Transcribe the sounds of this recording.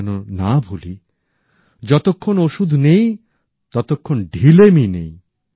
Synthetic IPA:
nonabʱuli | d͡ʑɔt̪okʰːonoʃud̪ʱnej | t̪ɔt̪okʰːonɖʱileminej

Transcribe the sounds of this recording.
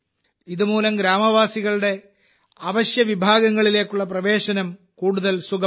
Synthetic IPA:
iðumuːlɐmɡɾaːmɐʋaːsiɣɐɭuɽe̞ | ɐʋɐɕjɐʋibʱaːɡɐŋːɐɭile̞ːkːuɭːɐprɐʋe̞ːɕɐnɐm | kuːɽuðɐlsuɡɐ

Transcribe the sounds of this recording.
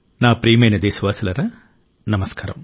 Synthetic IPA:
naːpɾiːmɐjnɐd̪eːsɐʋaːsɐlɐɾɐ | nɐmɐskaːɾɐ̰m

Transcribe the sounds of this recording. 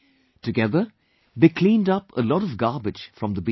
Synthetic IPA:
tɨɡɛðə˞ | ðeɪkʰl̥ĩːndʌpə̰lɔɾəvɡɑɹbɨ̥d͡ʒ̥fɹʌ̃mðəbi

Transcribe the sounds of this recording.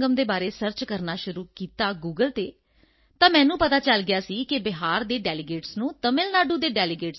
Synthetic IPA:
ɡəmd̪eːbaːɾeːsəɾt͡ʃkəɾnaːʃʊɾuːkiːt̪aːɡuːɡəlt̪eː | t̪ãːmɛ̃ːnũːpət̪aːt͡ʃəlɡɪjaːsiːkɪbɪɦaːɾd̪eːɖɛːlɪɡeːʈsnũːt̪əmɪlnaːɖuːd̪eːɖɛːlɪɡeːʈ

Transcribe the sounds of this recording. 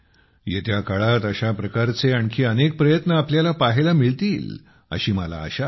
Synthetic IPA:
jet̪jakaɭat̪əɕapɾəkaɾt͡seaɳkʰiːənek̚pɾəjət̪nəapljalapaɦelamiɭt̪iːl | ə̰ɕiːməla̰ːɕa

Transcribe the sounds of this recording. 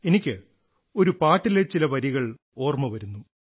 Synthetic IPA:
e̞nikʲːɨ | o̞ɾupaːʈːilet͡ɕilɐʋɐɾiɣɐɭ | o̞ːrmɐʋɐɾunːu

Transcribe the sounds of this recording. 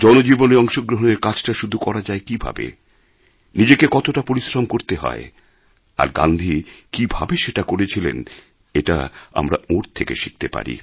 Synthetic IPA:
d͡ʑɔnod͡ʑiboneɔŋʃoɡɾoɦoneɾkat͡ɕʰʈaʃud̪ʱukɔɾad͡ʑaekibʱa̰bḛ | nid͡ʑekekɔt̪oʈapoɾisɾamkoɾt̪eɦɔ̰e | a̰ɾɡa̰nd̪ʱikibʱa̰beʃeʈakoɾet͡ɕʰilḛn | eʈa̰a̰mɾa̰oɾt̪ʰekḛʃi̥k̚t̪epa̰ɾḭ

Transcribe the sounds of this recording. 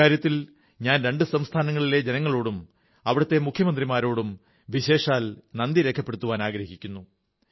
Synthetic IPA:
aːɾjɐt̪ːil | ɲaːnɾe̞ɳɖɨsɐmst̪ʰaːnɐŋːɐɭile̞d͡ʑenɐŋːɐɭo̞ːɽum | ɐʋiɽɐt̪ːe̞mukʰːjɐmɐnd̪rimaːɾo̞ːɽum | ʋiɕe̞ːʂaːlnɐnd̪iɾe̞kʰːɐpːe̞ɽut̪ːuʋaːnaːɡɾɐɦɦikʲːunːu

